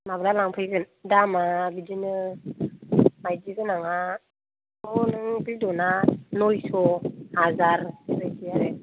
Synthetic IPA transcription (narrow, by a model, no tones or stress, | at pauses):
mablalaŋpʰɯjɡɯn | damabidinɯ | majdiɡɯnaŋa | mɔnɯŋbidɔnanɔjsɔhazaɾɾɯjtijaɾe